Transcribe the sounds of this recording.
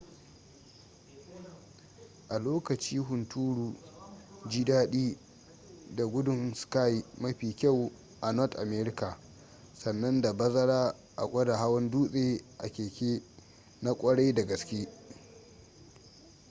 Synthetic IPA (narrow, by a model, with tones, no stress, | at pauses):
ʔa˨loː˦kɐ˨t͡ʃiː˦ɦʊ˨ntʰuː˦ɽuː˨ | d͡ʒi˦daː˦ɗiː˦ | da˨ɡʷʊ˦dʊ˨nska˦ji˨mɐ˦ɸiː˨kʲa˦˨w | ʔa˨nɔ˦tʔa˨meː˦ɾɪ˦ka˨ | sɐ˨nːɐ˦nda˨bɐ˦zɐ˦ɽaː˦ | ʔa̰˨kʷʼɐ˦da˨ɦa˦wɐ˦nduː˦sʼeː˦ʔa̰˨kʲeː˨kʲeː˦ | na˦kʷʼɐ˦ɽa˦da˨ɡɐ˨skʲeː˦